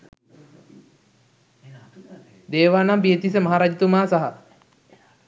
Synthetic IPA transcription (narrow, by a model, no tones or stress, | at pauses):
d̪eːʋaːnambiet̪isəmaɦaɾad͡ʒit̪umaːsaɦa